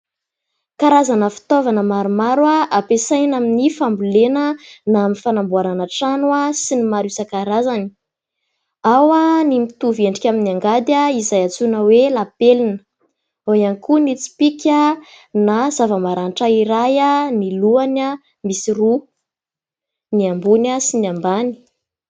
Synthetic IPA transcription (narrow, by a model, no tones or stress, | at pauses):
kaɾazanəfi̥t̪ovanəmaɾumaɾwaʔapesajnaminifambulenənaminifanambuananaʈ͡ʂanuasinimaɾusakaɾazani̥ | awanimit̪uveɳɖ͡ʐikʲaminiaŋɡad̪jaizajat͡sunəwelapelinə̥ | oianikunit͡si̥pikʲə | nazavəmaɾanʈ͡ʂaiɾajaniluana | misiru | niambunasiniambani̥